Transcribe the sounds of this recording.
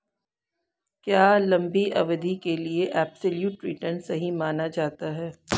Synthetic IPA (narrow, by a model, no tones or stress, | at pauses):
kjaːlɐ̃mbiʔɐ̰ʋəd̪ʱikelieʔɛːpsəljuːʈːɾiːʈmə̃ɳsɐɦimaːnad͡ʒaːt̪aɦɛː